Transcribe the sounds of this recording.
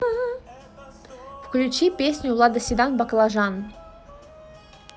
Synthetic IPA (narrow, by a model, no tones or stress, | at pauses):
ɦ | fklʲut͡ɕipʲesʲnʲʊlˠad̪əsʲid̪anbaklˠaʐan